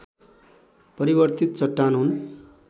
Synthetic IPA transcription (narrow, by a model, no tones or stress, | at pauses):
pʌɾibʌrt̪it̪̚t͡sʌʈːanɦun